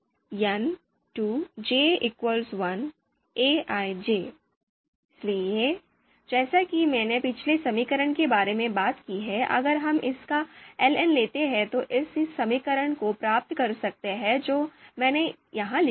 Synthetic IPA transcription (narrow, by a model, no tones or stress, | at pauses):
jɐn | ʈuːd͡ʒeːɪkwəlsʋɐn | eːaːid͡ʒeː | ɪslieː | d͡ʒɛːsakimɛ̃ːnepɪt͡ʃʰlesɐmiːkəɾəɽ̃kebaːɾemẽbaːt̪kiɦɛʔɐ̰ɡəɾɦɐmʔɪskaɛːlɛnleːt̪eɦɛ̃t̪oʔɪsɪsːɐmikəɾəɽ̃kopɾaːp̚t̪kɐɾsɐk̚t̪eɦɛd͡ʒoːmɛ̃ːnejɐɦãlɪ